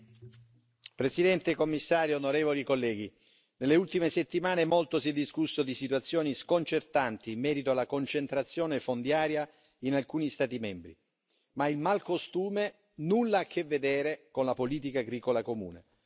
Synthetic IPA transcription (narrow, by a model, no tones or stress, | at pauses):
pɾesid̪ɛnt̪ekomːisːaːɾjonoɾɛːvolikolːɛːɡ̟i | nelːeult̪imeset̪ːimaːnemolt̪osiɛd̪ːiskusːod̪isit̪wat̪sːjoːniskont͡ʃert̪ant̪iːmːɛːɾit̪oalːakont͡ʃent̪ɾat̪sːjɔːnefond̪jaːɾja | inalkuːnist̪aːt̪imɛmbɾḭ | mailmalkost̪uːme | nulːaakʰːevːed̪ɛːɾekonlapoliːt̪̬ikaːɡɾiːkolakomṵːnḛ